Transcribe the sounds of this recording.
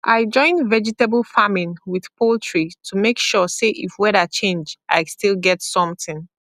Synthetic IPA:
ʔaɪd͡ʒɔ̃ɪ̃nvɛd͡ʒitebl̩ˠfamĩnwið̥pʰolˠtʰɹ̥itʰumekʃɔseʔifwɛɾət͡ʃẽnd͡ʒʔa̰ɪstilˠɡɛtsɔ̃mθɪ̃n

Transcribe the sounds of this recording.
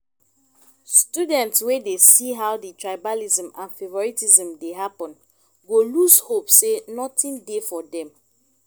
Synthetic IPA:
studɛ̃ntswedesiɦawditɹaɪbalizə̃mãnfevɔɹitizɔ̃mdeɦapɔ̃n | ɡolushopsenɔtĩndefɔdɛ̃m

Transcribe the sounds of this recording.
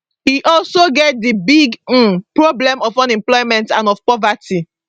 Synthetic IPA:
hiʔɔlsoɡɛt̚dibiɡ̩pɹoblɛ̃mɔfɔ̃nɛ̃mplɔɪmɛ̃ntãnɔfpɔvati

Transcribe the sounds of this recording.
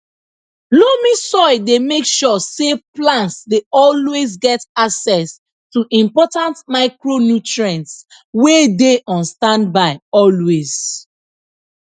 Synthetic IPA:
lomisɔɪdemekʃɔseplãntsdeɔlwezɡɛtaksɛs | tuʔĩmpɔtãntmaɪkɹonjutɹɛ̃ns | wedeʔɔ̃nstãndbaɪɔlwez̥

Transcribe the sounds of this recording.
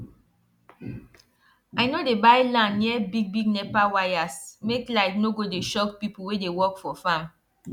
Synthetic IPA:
ajnodebaɪlãnniɛbiɡ̚biɡnɛpawajasmeklaɪknoɡodeʃɔk̚pipuwedewɔkfɔfãm

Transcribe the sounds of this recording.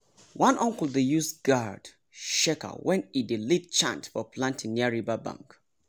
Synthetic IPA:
wãnʔɔ̃ŋkl̩ˠdejusɡ̥ad̥ | ʃɛka̰wɛ̃nidilit̚t͡ʃã̰ntfɔpʰlãntɪ̃ŋniaɹivabã̰ŋk

